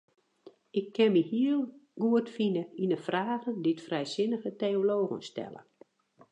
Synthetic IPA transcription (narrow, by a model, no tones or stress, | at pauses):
ʔɪkʰːɛnmihiəlˠɡ̥uətfinəinəfraːɣənditfrɛjsɪnəɣəteːoloːɣə̰nstɛ̰lə̰